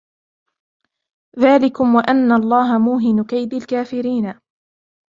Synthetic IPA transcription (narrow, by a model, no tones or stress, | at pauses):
ðaːlɪkʊmwaʔanːaɑlˤːɑːɦamuːɦɪnʊkajd̪alkaːfɪɾiːna